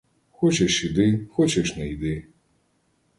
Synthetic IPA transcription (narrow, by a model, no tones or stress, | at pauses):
xɔt͡ʃɛʂid̪ɪxɔt͡ʃɛʂnɛid̪ɨ